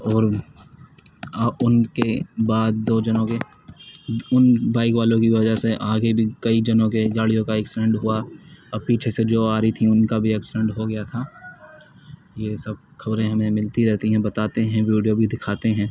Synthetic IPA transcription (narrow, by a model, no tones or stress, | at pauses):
ɔːɾ | ʊnkebaːd̪̚ːoːd͡ʒɐnõke | ʊnbaːɪkʋaːlõkiʋɐd͡ʒaɦseʔaːɡebʱikɐid͡ʒɐnõked͡ʒaːɭijõkaeːksɪɖɛ̃ɳɖɦʊaɐbpiːt͡ʃʰesed͡ʒoːaːɾit̪ʰĩʊnkabʱiɛːksɪɖɛ̃ɳʈɦoɡɐjat̪ʰa | jesɐb̚ | xɐbɾẽɦɐmẽmɪlt̪iɾɛɦt̪iɦɛ̃bɐt̪aːt̪eɦɛ̃ʋiːɖijobʱid̪ɪkʰaːt̪eɦɛ̃ː